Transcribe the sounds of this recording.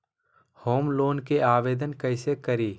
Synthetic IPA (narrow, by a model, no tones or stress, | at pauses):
hoːmloːnkeʔaːʋeːd̪ənkɐɪsekɐɾiː